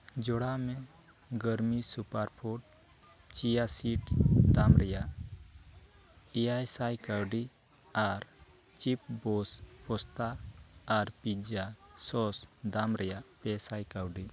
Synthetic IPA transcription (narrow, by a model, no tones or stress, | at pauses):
d͡ʒɔɽamɛ | ɡəɾmisupaɾpʰoʈ̚ | t͡ʃijasiʈd̪amɾɛjaʔ | ijajsajkawɖi | aɾ | t͡ʃip̚bɔspɔst̪aː | ɾpid͡ʒasɔsd̪amɾɛjaʔpɛsajkawɖi